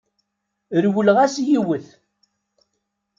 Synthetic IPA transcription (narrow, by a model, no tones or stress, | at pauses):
ɾwəlʁæsjiwəθ